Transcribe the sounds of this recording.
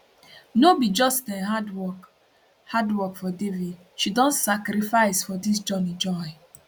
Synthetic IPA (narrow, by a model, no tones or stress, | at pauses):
nobid͡ʒɔstɛ̃ɦadwɔk | hadwɔkfɔdevid | ʃidɔ̃ntsakɾifaɪsfɔdis̬d͡ʒɔnid͡ʒɔɪ